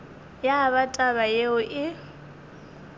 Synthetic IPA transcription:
jaβatʼaβajeʊʔɪ

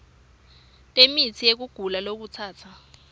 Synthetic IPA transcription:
tʼemit͡sʰijek̬uɡ̥ʱulalok̬ut͡sʰaːt͡sʰa

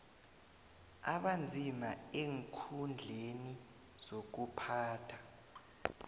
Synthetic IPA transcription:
aɓand͡zʱimaeŋkʰund͡ɮʱeni | z̥ok̬upʰaːtʰa

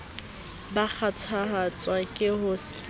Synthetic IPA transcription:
bak͡xʰat͡sʰahat͡sʼwakʼɪhʊs

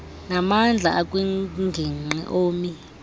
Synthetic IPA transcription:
namand͡ɮʱa̰akʼwiŋɡʱiŋ͡ǃɛ̰ʔoːmi

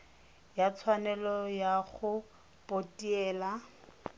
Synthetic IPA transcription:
jat͡sʰwanɛlɔjaχʊ | pʼotiɛːla

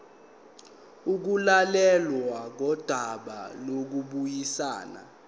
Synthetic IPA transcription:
uk̬ulalɛlwaŋʱɔd̥ʱaɓa̰lok̬uɓujisaːna̰

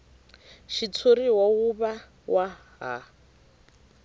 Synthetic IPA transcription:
ʃit͡sʰoɾiwawuβa | wa | ɦa̰

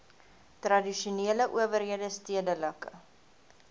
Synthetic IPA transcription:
trɐdiʃuneːləʔuəvərɦiədəstiədələkə

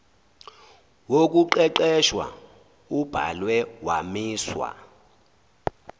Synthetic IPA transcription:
wok̬ʼuǃɛǃɛʃwa̰ | ub̥ʱa̰lwɛwamiːswa̰

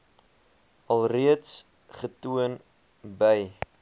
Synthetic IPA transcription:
ɐlˠriəts | χətuən | bəj

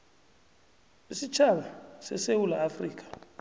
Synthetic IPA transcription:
isit͡ʃʰalasɛ̰sewula̰ːfriːk̬ʰʼḁ

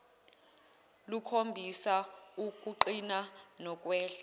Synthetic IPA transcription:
lukʰombʱisauk̬uǃinanɔk̬ʼwɛːɬɛ

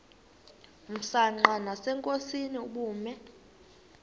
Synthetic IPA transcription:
m̩saŋ͡ǃanasɛŋkʼosiniuɓuːmɛ

